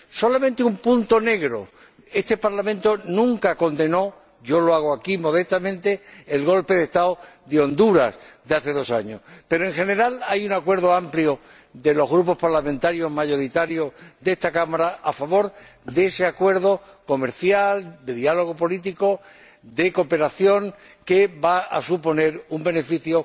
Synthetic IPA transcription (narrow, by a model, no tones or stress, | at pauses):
so̞lamẽnt̪eumpũnt̪o̞ne̞ɣɾo̞̰ | e̞st̪e̞paɾlamẽnt̪o̞nũŋkako̞nd̪e̞no̞ | ɟ͡ʝo̞loaɣ̞oakimo̞ð̞e̞st̪amẽ̞nt̪e̞ːlɣ̞o̞lpeðe̞hst̪aoðeo̞nd̪uɾasd̪eaθe̞ðo̞saɲo̞̰spe̞ɾoe̞ŋxe̞ne̞ɾalajuŋakwe̞ɾð̞o̞ampljo | d̪e̞lo̞ɦɣɾupo̞hpaɾlamẽnt̪aɾjo̞ɦmaʝo̞ɾit̪aɾjo̞ðe̞st̪akamaɾaʔafaβ̞o̞ɾ | d̪eese̞akwe̞ɾðo̞ | ko̞me̞ɾθjald̪e̞ðialo̞ɣ̞o̞po̞lit̪iko̞ | d̪e̞ko̞pe̞ɾaθjo̞ŋ | ke̞βaa̰supo̞ne̞ɾumbe̞ne̞fiθjo